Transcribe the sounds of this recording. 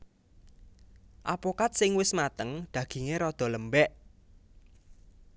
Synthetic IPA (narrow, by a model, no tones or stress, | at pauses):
ʔapokat̪̚sɪŋwɪsmat̪əŋd̪̥ä̤ɡ̥i̤ŋeɾɔd̪̥ɔ̤ləmbɛʔ